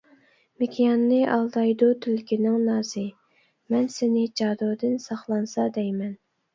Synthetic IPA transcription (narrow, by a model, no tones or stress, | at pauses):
mekʲʰijɑnːɨʔɑlˠd̪ɑjd̪ut̪ʰylkʲinɪŋnɑːzɨ | mɛnsɪnɪd͡ʒɑːd̪od̪ɨnsɑχlˠɑnsɑd̪ɛjmɛn